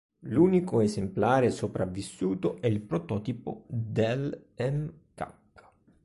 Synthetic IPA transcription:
luːnikoezemplaːɾesopɾavːisːuːt̪oʔɛilpɾot̪ɔːt̪ipo̰d̪elɛmka̰kː

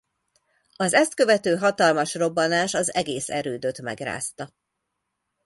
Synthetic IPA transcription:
ɒzɛst̪̚kø̞vɛt̪øːɦɒt̪ɒlmɒʃro̞bːɒnaːʃɒzɛɡeːsɛɾøːd̪øt̪mɛ̰ɡra̰ːst̪ɒ

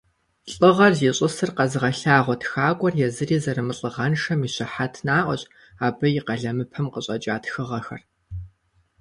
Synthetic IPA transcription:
ɬʼɨʁɐrziɕʼɨsɨrqɐzɨʁɐɬaːʁʷɔtxaːkʷʼɔrjɛzɨriːzɐrɨmɨɬʼɨʁɐnʂɐmiːɕɪħatʰnaːʔʷɔ̰ɕʼ | aːbɐjɪqɐɮɐmɨpʰɐmqəɕʼɐt͡ʃʼaːtxɨʁɐxɐ̰r

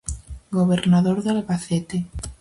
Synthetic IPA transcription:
ɡoβeɾnaðoɾðalβaθet̪e

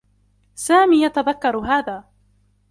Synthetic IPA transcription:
saːmiːjat̪aðakːɑɾˤɦaːðaː

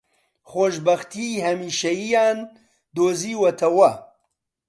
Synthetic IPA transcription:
χoʃbɐxt̪ʰihɐmiːʃɐjijaːn | d̪oːziːwɐt̪ʰɐwɐ

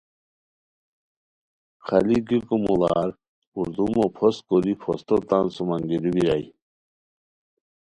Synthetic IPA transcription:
kʰaliɡikumulaɾ | uɾd̪umɔpʰɔskɔlipʰɔst̪ɔt̪ansumaŋɡiɾubiɾaj

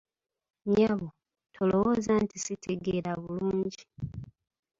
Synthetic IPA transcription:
ɲaβo | tʰo̞lo̞woːzantisitʰe̞ɡeɾaβuluːɲɟi

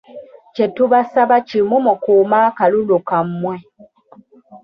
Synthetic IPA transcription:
t͡ʃetuβasaβat͡ʃimumokumakalulukammwe

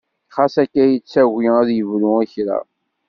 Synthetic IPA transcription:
χasækːæjət͡sːæwiæðjəvlʊəçɾa̰

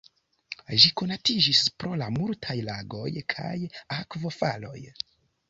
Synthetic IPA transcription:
ʒiko̞natid͡ʒispɾo̞lamultʰajlaɡo̞̰jkʰa̰jakvo̞falo̞̰j

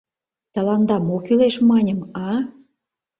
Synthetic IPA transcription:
t̪ɑlɑnd̪ɑmokyleʃmɑnʲəmɑ

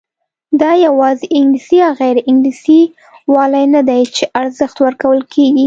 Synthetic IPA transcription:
d̪ɑjawɑzeʔɪŋɡlisiɑɣajɾʔɪŋɡlisi | wɑlajnad̪ajt͡ʃeʔaɾzəxt̪wəɾkawəlkʰeɡi

